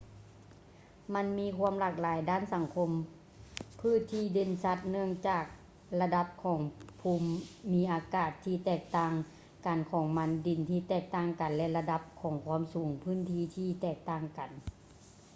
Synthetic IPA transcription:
ma˧˥nmiː˧˥˧kʰu˧˥əmlaː˧˩k̚laː˨˦jdaː˧˥˨nsa˨˩˦ŋkʰo˧˥m | pʰɯ˧˥˨t̪ʰiː˧˥˩de˧nsa˧˥t̪̚nɯ˧˩əŋt͡ɕaː˧˩k̚ | la˧da˧˥p̚kʰɔː˩˦ŋpʰuː˧mːiː˧˥ʔaː˨˧˦kaː˧˩t̪ʰːiː˧t̪ɛː˧˩k̚t̪aː˧˩ŋ | kaː˨˩nkʰɔː˨˩˦ŋma˧˥ndi˨˩nt̪ʰiː˧˩t̪ɛː˧˩k̚t̪aː˧˩ŋka˨˩nlɛ˧la˧da˧˥p̚kʰɔː˩˦ŋkʰwuː˧˥ə˨msuː˨˩˦ŋpʰɯː˧˥˨nt̪ʰiː˧t̪ʰiː˧˨t̪ɛː˧˩k̚t̪aː˧˩ŋka˨˩n

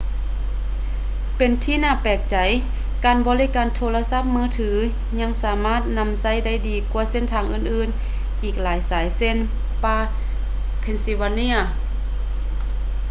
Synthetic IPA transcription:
pe˨nt̪ʰiː˧naː˧˥˨pɛː˨˩k̚t͡ɕa˨˩˦j | kaː˨nbɔː˧˦li˦˧˥kaː˨˩nt̪ʰoː˧la˧sa˧˥p̚mɯː˧˥˩t̪ʰɯː˩˦ | ɲa˧˥˨ŋsaː˨˩˦maː˧˥˩t̪̚na˧˥msa˧˥˨jda˥˩˨jdiː˨˩kwa˧se˧˥˨nt̪ʰaː˧ŋʔɯː˧˩nʔɯː˧˩n | ʔiː˨˩k̚laː˨˦jsaː˨˦jse˧˥˨n | paː˧ | pʰe˧˨nsi˧waː˧ni˧˥ɐ˨

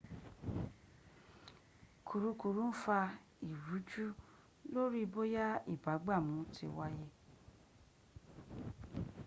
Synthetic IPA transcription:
kʰu˨ɾu˧ku˨ɾũ˦fa˧ | i˨ɾu˨˦d͡ʒu˦ | lo˦ɾi˦˧bo˦ja˦ḭ˦˨ba˨˦ɡ͡ba˦˨mũ˨˦tʰi˧wa˦je˦

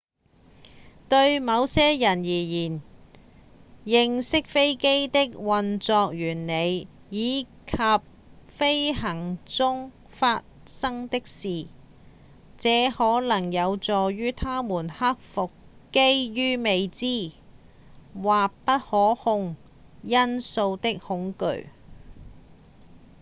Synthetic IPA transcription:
t̪ɵ˧ɥmɐ˨˧wsɛː˥jɐ˨˩njiː˨˩jiː˨˩n | jɪ˨˧ŋsɪ˥k̚fe˥jke˥jt̪ɪ˥k̚wɐ˨nt͡sɔː˧k̚jyː˨˩nne˨˧j | jiː˨˧ | kʰɐ˨p̚ | fe˥jɦɐ˨˩ŋt͡sʊ˥ŋ | faː˧t̚sɐ˥ŋt̪ɪ˥k̚siː˨ | t͡sɛː˨˥hɔː˨˥lɐ˨˩ŋjɐ˨˧wt͡sɔː˨˩jyː˥t̪ʰaː˥muː˨˩nhɐ˥k̚fʊ˨k | ke˥jjyː˥me˨˧jt͡siː˥ | waː˨kpɐ˥t̚hɔː˨˥hʊ˧ŋ | jɐ˥nso˧wt̪ɪ˥k̚hʊ˨˥ŋkɵ̰˨˥ɥ

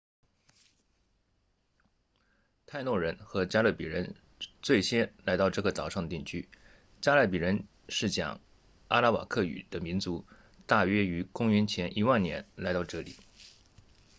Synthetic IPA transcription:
t̪ʰa˥˧ɪnwɔ˥˩ɻə˧˥nxɤ˧˥t͡ɕja˥lɤ˥˩pḭ˨˩ɻə˧˥n | t͡swe˥˩ɪɕʰjɛ˥nla˧˥ɪt̪ɑ˥˧ʊʈ͡ʂɤ˥˩ɡə˩t͡sɑ˨˩ʊʂɑ˥˩ŋd̪ə˩t̪i˥˩ŋt͡ɕʰy˥ | t͡ɕja˥lə˥˩pi˨˩ɻə˧˥n | ʂɻ̩˥˩t͡ɕjɑ̰˨˩˦ŋ | a̰˥la˥wa̰˨˩kʰɤ˥˩y̰˨˩d̪̥ə˦mi˧˥nt͡su˧˥ | t̪a˥˩ɥɛ˥y˧˥kʊ˥ŋy˧˥nt͡ɕʰjɛ˧˥nʔi˧˥wa˥˩nnjɛ̰˧˥nla˧˥ɪt̪ɑ˥˧ʊʈ͡ʂɤ˥˩lḭ˨˩˦

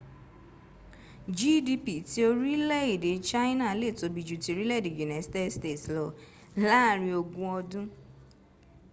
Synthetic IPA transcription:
d͡ʒi˦di˧pi˨ti˧o˧ɾi˦lɛ˦˨i˨de˨˦t͡ʃa˦i˦nã˦˨˦le˦˨to˨˦bi˨˧d͡ʒu˨ti˧o˧ɾi˦lɛ˦i˦˨e˨d͡ʒu˨nã˨˦ste˦ste˦˨tlɔ˨ | la˦˨ɾi˧o˧ɡũ˦ɔ˧dũ˦

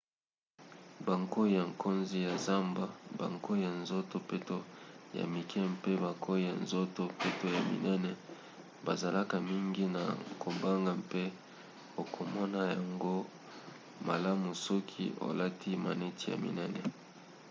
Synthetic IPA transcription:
ba˨ŋko˦i˦ja˨ŋko˦nzi˦ja˨za˦mba˨ba̰˨ŋko˦i˦ja˨nzo˦to˨pe˦to˦ja̰˨mi˨kʰɛ˦mpe˦ba˨kʰo˦i˦˨ja̰˨nzo˦to˨pe˦to˦ja˨mḭ˨nɛ˦nɛ˨ | ba˨za˨la˦ka˨mi˦ŋɡi˦na̰˨ko˨ba˦ŋɡa˨mpe˦ | o˨kʰo˨mɔ˦na˦ja˨ŋɡo˦ | ma˨la˦mu˨sɔ˦kʰḭ˦o̰˨la˦ti˦ma̰˨nɛ˦ti˦ja̰˨mḭ˨nɛ˦nɛ˨

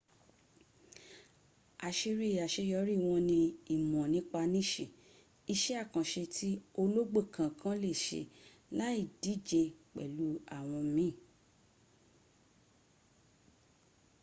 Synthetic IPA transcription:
a˨ʃe˧ɾi˦˨a˨ʃe˧jɔ˧˦ɾi˦˨w̃ɔ̃˧nĩ˧i˦˨mɔ̃˨nĩ˨˦k͡pa˧nĩ˦˨ʃe˨ | i˧ʃɛ˦a˦˨kã˨ʃe˧tʰi˦o˧lo˦ɡ͡be˦˨kʰã˨kʰã˦le˦˨ʃḛ˧˨ | la˦i˦˨di˨˦˨d͡ʒe˧k͡pɛ̰˨lu˨˦a˦˨w̃ɔ̃˧˦mĩ˦˨

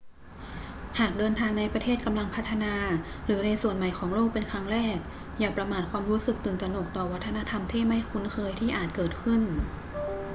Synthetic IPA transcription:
haː˨˩k̚dɤː˧nt̪ʰaː˧ŋna˧jpɾa˧t̪ʰeː˥˩t̪̚ka˧mla˧ŋpʰa˦˥t̪ʰːa˧naː˧ | ɾɯː˩˦na˧jsu˨˩ənma˨˩jkʰɔː˩˦ŋloː˥˩k̚pe˧nkʰɾa˦˥ŋɾɛː˥˩k̚ | jaː˨˩k̚pɾa˧maː˨˩t̪̚kʰwaː˧mɾuː˦˥sɯ˨˩k̚t̪ɯː˨˩nt͡ɕ̪a˧no˨˩k̚t̪ɔː˨˩wa˦˥t̪ʰːa˧na˦˥t̪ʰa˧mt̪ʰiː˥˩ma˥˩jkʰu˧˦˥nkʰɤː˧jt̪ʰiː˥˩ʔaː˨˩t̪̚kɤː˨˩t̪̚kʰɯ˥˩n

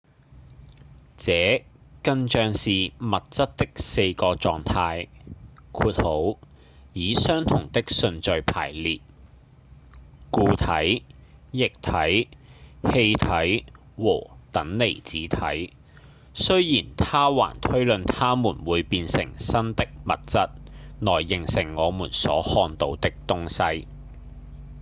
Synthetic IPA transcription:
t͡sɛː˨˥kɐ˧nt͡ʃœː˧ŋsiː˨mɐ˨t̚t͡sɐ˥t̚t̪ːɪ˥k̚se˧jkɔː˧t͡sɔː˨ŋt̪ʰaː˧j | kʰuː˧t̚ho˨˥w | jiː˨˥sœː˥ŋt̪ʰʊ˨˩ŋt̪ɪ˥k̚sɵ˧nt͡ʃɵ˧ɥpʰa̰ː˨˩jliː˨t̚ | kuː˧t̪ʰɐ˨˥jjɪ˨k̚t̪ʰɐ˨˥j | he˧jt̪ʰɐ˨˥j | wɔ̰ː˨˩t̪ɐ˨˥ŋle˨˩jt͡siː˨˥t̪ʰɐ̰˨˥j | sɵ˥ɥjiː˨˩nt̪ʰaː˥wa̰ː˨˩nt̪ʰɵ˥ɥlɵ˨nt̪ʰaː˥muː˨˩nwuː˨˧jpiː˧nsɪ̰˨˩ŋsɐ˥nt̪ɪ˥k̚mɐ̰˨t̚t͡sɐ˥t̚nɔː˨˩jːɪ˨˩ŋsɪ˨˩ŋːɔː˨˧muː˨˩nsɔ̰ː˨˥hɔː˧nt̪o˨˧wt̪ɪ˥k̚t̪ʊ˥ŋsɐ˥j

